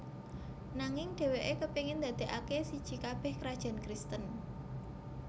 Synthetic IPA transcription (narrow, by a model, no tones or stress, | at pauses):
naŋɪŋɖ̪̥e̤weʔekəpiŋɪnd̪ä̤d̪̥e̤ʔakesid̥ʒ̥i̤kab̥ɛ̤hkəɾad̥ʒ̥a̤nkɾist̪ən